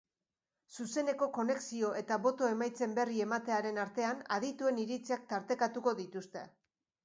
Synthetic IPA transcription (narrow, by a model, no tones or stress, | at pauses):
suse̞ne̞ko̞ko̞ne̞ksio̞ʔe̞t̪aβo̞t̪o̞e̞majt͡se̞mbe̞rie̞mat̪e̞aɾe̞naɾt̪e̞anaðit̪ue̞niɾit͡siak̚t̪aɾt̪e̞kat̪uko̞ðit̪ust̪e̞̰